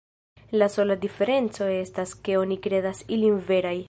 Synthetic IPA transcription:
laso̞ladife̞ɾe̞nt͡so̞e̞staske̞o̞nikɾe̞dasilinve̞ɾaj

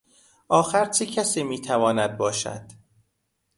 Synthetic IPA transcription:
ʔɒːxæɾt͡ʃʰecʰæsiːmiːt̪ʰævɒːnæd̪̚bɒːʃæ̰d̪̥

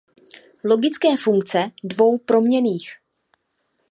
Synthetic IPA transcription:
lo̞ɡɪt͡skɛːfuŋk̚t͡sɛdvo̞wpɾo̞mɲɛniːx

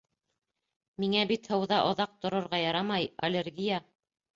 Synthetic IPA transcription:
miŋæbit̪hɤ̆wðɑʔŏðɑq̚t̪ŏɾŏɾʁɑjɑɾɑmɑjɐlʲeɾɡʲija

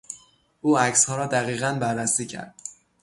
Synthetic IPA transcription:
ʔuːæcshɒːɾɒːd̪æɣiːɣænbæɾːæsiːcʰæ̰ɾd̪̥̚

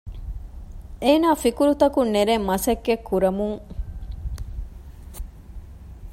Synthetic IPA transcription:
eːnaːfikuɾut̪ɐkunːeɾemːɐsɐɡːekʰːuɾɐmuŋ

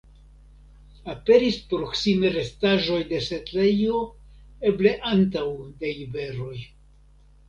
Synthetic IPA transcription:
ape̞ɾispɾo̞ksime̞ɾe̞staʒo̞jde̞se̞tle̞jo̞ | e̞ble̞ʔant̬awdeibe̞ɾo̞j

